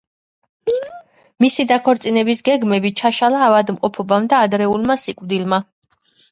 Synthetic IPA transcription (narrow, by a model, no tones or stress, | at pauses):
misid̪akʰɔɾt̪sʼinɛbisɡɛɡmɛbit͡ʃʰaʃalaːvad̪mqʼɔpʰɔbamd̪aːd̪ɾɛulˠmasikʼvd̪ilˠma